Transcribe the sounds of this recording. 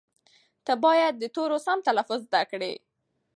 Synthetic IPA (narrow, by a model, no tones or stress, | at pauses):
t̪abɑjad̪̚ːət̪oɾosamt̪alafʊzzd̪akɽḛ